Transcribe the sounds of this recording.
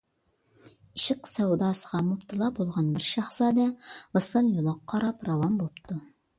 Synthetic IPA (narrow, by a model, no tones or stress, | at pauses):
iʃɪqsæwd̪ɑːsəʁɑmupt̪ʰɨlˠɑbolˠʁɑnbɪɾʃɑχsɑd̪ɛvɨsəlˠjolˠɑqʰːɑɾɑpɾɑwɑmbolˠpt̪ʰu